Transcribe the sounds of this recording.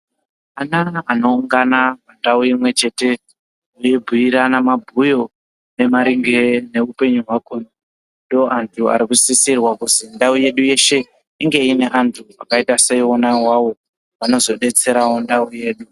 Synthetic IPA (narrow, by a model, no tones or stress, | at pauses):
anaano̞uŋɡanaʋandauimwe̞t͡ʃe̞te̞ | ujebʱuiɾanamabʱujo̞ | ne̞maɾiŋɡene̞upe̞ɲuɦwakunu | ndooʔantʰua̰ɾikusisirwakuzindauje̞ɗuje̞ʃe̞ | iŋɡe̞ine̞ʔantʰua̰kaitase̞onawawo̞ | ʋano̞zo̞ɗe̞t͡se̞ɾawondauje̞ːɗu